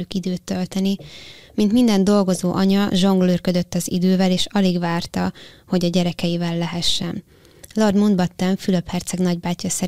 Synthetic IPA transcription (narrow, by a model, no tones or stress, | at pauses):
ykid̪øːt̪ːølt̪ɛnimint̪mind̪ɛnd̪o̞lɡo̞zoːʔɒɲɒʒo̞ŋɡlørkød̪øt̪ːɒzḭd̪øːvɛleːʃɒliɡʋaːrt̪ɒho̞ɟɒɟɛɾɛkɛjivɛlːɛɦɛʃːɛn | lɒrd̪mund̪bɒt̪ːɛɱfyløphɛrt̪sɛɡnɒɟbaːcːɒsɛ